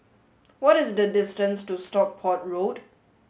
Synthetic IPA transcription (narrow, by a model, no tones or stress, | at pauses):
wɔtɪsdədɪstə̃nstustɔk̚pʰɔt̚ɹod